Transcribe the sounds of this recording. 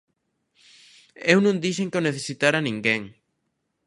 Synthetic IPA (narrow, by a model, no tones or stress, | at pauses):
ewnũŋd̪iʃeŋkeoneθesit̪aɾanĩŋɡeŋ